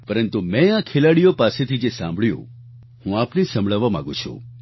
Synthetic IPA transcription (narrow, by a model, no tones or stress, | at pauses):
pəɾənt̪umẽakʰelaɽijopaset̪ʰid͡ʒesã̰mbʱɭjṵ̃ | hũapnesə̃mbɭaʋamã̰ɡṵ̃t͡ʃʰṵ̃